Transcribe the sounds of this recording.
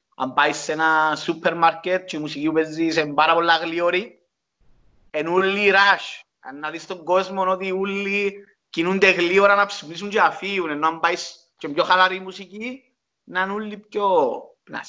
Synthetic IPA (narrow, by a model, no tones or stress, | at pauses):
a̰mbaisːenasupʰːeɾmaɾket̪̚t͡ʃeimusiciupezːisembaɾapolːaɣlioɾi | enulːiɾaʃ | a̰nːaðist̪oŋɡozmonot̪iulːi | cinund̪eɣlioɾanapsimis̬uɲt͡ʃeafiunenːoambais | t͡ʃembjoxalaɾimusici | nanulːipcopna̰s